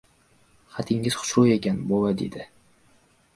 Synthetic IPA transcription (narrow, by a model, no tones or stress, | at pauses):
χat̪ʰɪŋɪz̥χʊ̥ʃɾʊe̞kʲʰanbolad̪ḛd̪ɪ